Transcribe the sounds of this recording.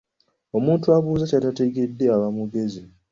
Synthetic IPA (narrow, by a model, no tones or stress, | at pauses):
o̞muːntuaβuːzacatateɡe̞dːe̞aβamuɡe̞zi